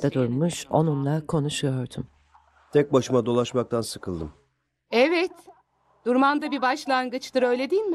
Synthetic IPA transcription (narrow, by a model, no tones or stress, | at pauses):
d̪ad̪uɾmuʃo̞nunlˠakʰo̞nuʃujo̞ɾd̪um | t̪ʰɛc̚baʃɯmad̪o̞lˠaʃmak̚t̪ʰansɯkʰɯlˠd̪ɯm | ɛvɛt̪ | d̪̥uɾmand̪abibaʃlˠaŋɡɯt͡ʃd̪ɯɾø̞jlʲed̪ijilʲmɪ